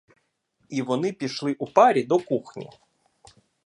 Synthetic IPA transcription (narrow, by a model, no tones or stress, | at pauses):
iʋɔnɪpʲiʃlˠɪʔupɑɾʲid̪ɔkuxnʲḭ